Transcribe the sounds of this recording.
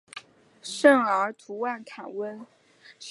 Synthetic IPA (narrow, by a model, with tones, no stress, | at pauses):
ʂə˥˩ŋə˞˧˥t̪ʰu˧˥wa˥˩nkʰa˨˩nwə˥n